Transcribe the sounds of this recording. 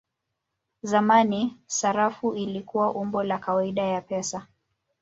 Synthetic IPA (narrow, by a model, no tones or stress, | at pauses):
zamanisaɾafuilikuwaʔumbɔlakawaiɗajapɛsa